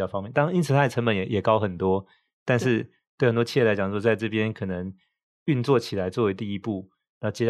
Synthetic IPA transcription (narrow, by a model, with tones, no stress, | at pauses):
fɑ˥ŋmjnt̪ɑ˥˦ni˥nt͡s̩ʰ˨˩t̪ʰa˥˩˨ʈ͡ʂʰə˧˥mbə˨˦njɛ˨˩jɛ˨˩kɑ˦ʊxə˨˩nt̪wɔ˥ | t̪a˥˧nʂɻ̩˥˧ | t̪wɪxə˨˩nt̪wɔ˥t͡ɕʰi˥˩ja˧˦t͡ɕɑ˨ŋo˥˩ʂɔ˥t͡sɪʈ͡ʂɤ˥˧˩pjɛ˦nkʰɤ˨˩nə˧˦ŋ | y˥˧nt͡swɔ˥˩t͡ɕʰi˨˩la˨˦ɪt͡swɔ˥˩we˧˥ɪt̪i˥˧i˦pu˥˩ | na˧˥˩t͡ɕjɛ˥